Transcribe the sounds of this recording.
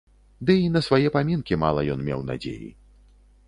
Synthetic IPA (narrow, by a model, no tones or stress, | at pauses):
d̪ɨinɐsvajɛpamʲinkʲima̰lˠɐjɔnmʲɛ̰wna̰d͡zʲḛjḭ